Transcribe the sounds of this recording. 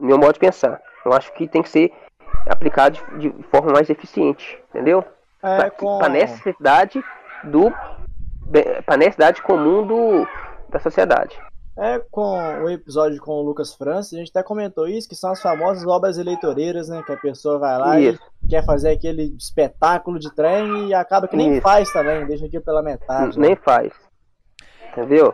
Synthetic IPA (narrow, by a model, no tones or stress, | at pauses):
mẽmɔdʊd͡ʒɪpẽsa̰ | newaʃʊ̥kɪt̪ẽj̃kɪ̥seɾ | a̰plikad̪ʊd͡ʒɪd͡ʒɪd͡ʒɪfɔɾmɐmajzefisiẽt͡ʃɪ̥ĩnt̪ẽd̪ew | ɛkõpɾɐnɛsesed̪ad͡ʒɪd̪ʊ | bẽpɾɐnesid̪ad͡ʒɪkõmũd̪ʊd̪̥ɐsosied̪a̰d͡ʒɪɛkõʊepizɔd͡ʒʊkõʊlukɐsfɾɐ̃sɪɐʒẽt͡ʃat̪ɛkõmẽnt̪oisʊ̥kɪ̥sɐ̃w̃ɐsfamɔzɐzɔbɾɐzelejt̪oɾejɾɐznɛkɪɐpesoɐvajlaisʊ̥kɛɾfazeɾakelɪːspet̪akʊlʊd͡ʒɪt̪ɾẽj̃ɪakabɐkɪnẽfajst̪ɐ̃mbẽj̃d̪ejʃɐkiʊpelɐmet̪ad͡ʒɪnẽj̃fa̰js | ẽt̪ẽd̪ew